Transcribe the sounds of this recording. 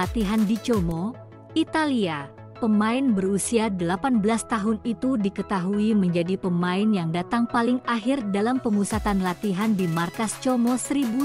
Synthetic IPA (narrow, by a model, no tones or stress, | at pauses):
at̪iɦandit͡ʃomo | it̪alia | pəmaɪnbərusiadəlapanbəlast̪aɦʊnit̪udikət̪aɦuiməɲd͡ʒadipəmaɪnjaŋdat̪aŋpalɪŋaɦɪrdalampəmusat̪anlat̪iɦandimarkast͡ʃomosəɾibu